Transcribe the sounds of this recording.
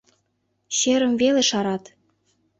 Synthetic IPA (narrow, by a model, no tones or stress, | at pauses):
ɕeɾə̆mveleʃɑɾɑt̪